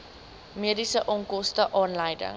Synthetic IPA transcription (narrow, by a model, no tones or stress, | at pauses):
miədisəʔɔŋkɔstəʔɑːnlɐjdə̰ŋ